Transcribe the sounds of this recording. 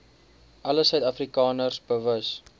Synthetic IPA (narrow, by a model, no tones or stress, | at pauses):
ʔɐləsœɥtɐfrikɑːnərsbəvəs